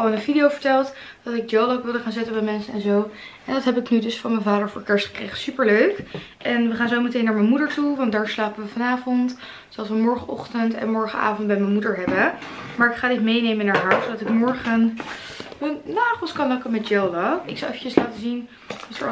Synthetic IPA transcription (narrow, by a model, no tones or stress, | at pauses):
ɑlˠɪnənvidiowvəɹtɛlˠt | dɑtɪɡ̚d͡ʒowlokʋɪlˠdəχaːnzɪtəbɛjmɛnsənɛnzowʔɛndɑtɦɛpɪknydɵsfɑnmənvaːdəɹvʊ̰ːɹkɛɹstχə̥krḛjχəsypəɹløɥk | ʔɛnʋəχaːnzowmətejnːaːɹmənmudəɹtuʋɑnt̚daːɹslaːpəʋəfɑnaːvɔnt | sodɑsʋəmɔɹχənʔɔχtəntɛ̰nmɔɹχəna̰ːvɔntbɛjmɛnmudəɹɦɛbəmaːɹɪkχaːdɪtmejnejmənaːɹɦaːɹsowdɑtɪkmɔɹχən | mənnaːχəlˠskɑnlɔkəmɛt̚d͡ʒowlaɪksawɛfəcəslaːtəzin | ɑtə̰ɹ